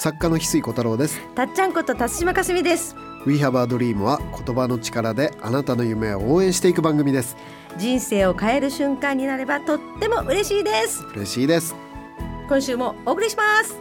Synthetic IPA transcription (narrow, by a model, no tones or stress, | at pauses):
sakːano̞çʲi̥sɨiko̞t̪aɾo̞ːd̪esɨ̥t̪at͡ɕːãŋko̞t̪o̞t̪asɨ̥ɕimakasɨmʲid̪e̞sɨ̥ | ɯ̟iɦabaːd̪o̞ɾʲiːmɯ̟βakʰo̞t̪o̞bano̞t͡ɕi̥kaɾad̪e̞anat̪ano̞jɯ̟me̞ooːẽ̞ɰ̃ɕi̥t̪e̞ikɯ̟bãŋɡɯ̟mʲid̪e̞sɨ̥ | d͡ʑĩɰ̃se̞ːo̞kae̞ɾɯ̟ɕɨ̃ŋkãɲ̟ːinaɾe̞bat̪o̞t̪ːe̞mo̞ʔɯ̟ɾe̞ɕiːd̪e̞sɨ̥ɯ̟ɾe̞̰ɕiːd̪e̞sɨ̥ | kõ̞ɰ̃ɕɨːmo̞oːkɯ̟ɾʲiɕimasɨ̥